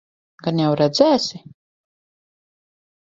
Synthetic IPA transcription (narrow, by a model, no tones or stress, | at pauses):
ɡanjawɾɛd̪zæːsi